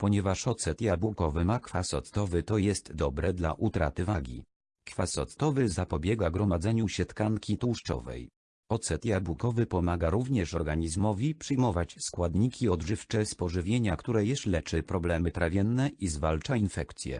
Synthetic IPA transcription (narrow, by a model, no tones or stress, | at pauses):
pɔɲɛvaʂɔt̪sɛt̪jabukɔvɘmakfasɔ̰t̪t̪ɔvɘt̪ɔjɛst̪d̪ɔbɾɛd̪la̰ʔut̪ɾa̰t̪ɘvaɡʲḭ | kfasɔ̰t̪t̪ɔvɘzapɔbʲjɛɡaɡɾɔmad̪zɛɲuɕɛt̪kaŋkʲit̪uwʂt͡ʂɔ̰vɛ̰j | ɔt̪sɛt̪jabukɔvɘpɔmaɡaɾuvɲɛʂɔɾɡaɲizmɔvʲipʂɘjmɔvat͡ɕskwad̪ɲikʲiɔd̪ʐɘft͡ʂɛspɔʐɘvʲjeɲakt̪uɾɛjɛslɛt͡ʂɘpɾɔblɛmɘt̪ɾavʲjɛnːɛʔizvalt͡ʂainfɛkt̪sʲjɛ̰